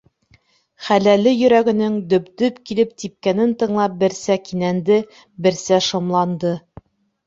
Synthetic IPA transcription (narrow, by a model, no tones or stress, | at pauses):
χælælɘjɵ̆ɾæɡɘ̆nɘŋd̪ɵ̆pd̪ɵpkilɘp̚t̪ip̚kænɘnt̪ɤ̆ɴlˠɑp̚bɘ̆ɾsækinænd̪ɘ | bɘ̆ɾsæʃŏmlˠɑnd̪ɤ